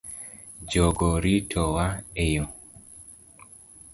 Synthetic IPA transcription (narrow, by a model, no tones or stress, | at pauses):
d͡ʒoɡoɾitʰɔwaejo